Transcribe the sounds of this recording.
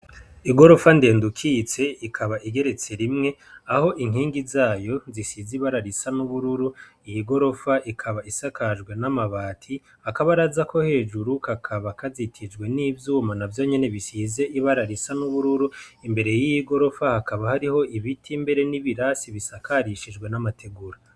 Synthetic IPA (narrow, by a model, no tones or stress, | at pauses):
iɡo̞ɾo̞fande̞ːndukʰit͡se̞ikʰaβaʔiɡe̞ɾe̞t͡se̞ɾimŋe̞aho̞ʔiŋ̥hiːŋɡizaːjo̞zisiziβaɾaɾisanuβuɾuɾu | ijiɡo̞ɾo̞faʔikʰaβaisakad͡ʒɡwe̞namaβaːtʰi | hakaβaɾazakʰo̞he̞ːd͡ʒuɾukakʰaβakazitʰid͡ʒɡwe̞niːvjuːmanavjo̞ːɲe̞ne̞βisize̞ʔiβaɾaɾisanuβuɾuɾuimbe̞ɾe̞jijiɡo̞ɾo̞fahakaβahaɾiho̞iβitʰimbe̞ɾe̞niβiɾasiβisakʰaɾiʃid͡ʒɡwe̞namatʰe̞ɡuɾa